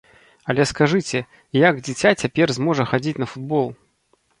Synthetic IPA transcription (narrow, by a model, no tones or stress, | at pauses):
ɐlʲɛskaʐɨt͡sʲɛ | jaɡd͡zʲit͡sʲat͡sʲapʲɛrzmɔʐɐxad͡zʲit͡sʲnɐfud̪̚bɔlˠ